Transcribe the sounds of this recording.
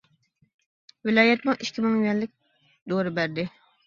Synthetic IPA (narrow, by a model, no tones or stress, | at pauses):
vɪlɑːjɛt̪mʊʔiʃkʲimɨŋjyɛlːɪk̚ʲ | d̪oɾɪbæɾd̪ɪ